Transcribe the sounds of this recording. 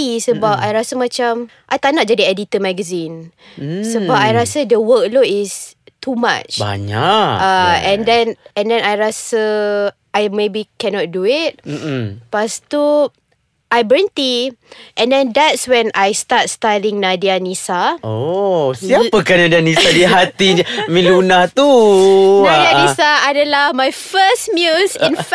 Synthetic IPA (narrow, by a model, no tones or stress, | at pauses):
isəbapajɹasəmãt͡ʃamʔajt̪anaʔd͡ʒadiɛdit̪əmɛɡəzĩnssəbapajɹasədəwək̚loɪst̪ʰuma̰t͡ʃba̰ɲaaɛ̃ndɛ̃nɛ̃ndɛ̃najɹasə | ʔajmebikɛnɔt̚duɪt̩̚ːpast̪u | ʔajbɹɛ̃nt̪iʔɛ̃ndɛ̃ndɛtswɛ̃najstat̚stajlĩŋnadianisaosiapəkanadianisadiɦat̪iɲmĩlunaht̪unadianisaadəlahmajfəsmjusĩnf